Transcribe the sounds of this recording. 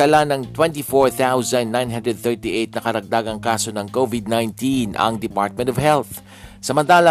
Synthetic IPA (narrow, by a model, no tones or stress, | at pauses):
ɐlanɐŋt̪wɛ̃nt̪ifoɹθawzɐ̃nd̪ːãjnɦãnd̪ɾɛd̪̚θɛɹt̪iʔejt̪̚nɐkɐɾɐɡ̚d̪aːɡɐŋkaːso̞nɐŋkovɪd̪̚najnt̪inɐ̰ŋd̪ɪpa̰ɹt̪̚mɛ̃nt̪ɔvhɛlθ | sɐmɐnt̪aːlɐ